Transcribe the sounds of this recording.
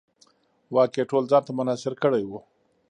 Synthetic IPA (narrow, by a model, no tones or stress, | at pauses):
wɑːkeʈolzɑːnt̪amʊnɑsɪɾkəɽajwu